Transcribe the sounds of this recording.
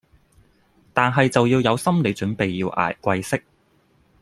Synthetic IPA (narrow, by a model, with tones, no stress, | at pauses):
t̪aː˨nɦɐ˨jt͡sɐ˨wjiː˧wjɐ˨˧wsɐ˥mle˨˧jt͡ʃɵ˨˥npe˨jːiː˧wʔa̰ː˨˩jkʷɐ˧jsɪ˥k̚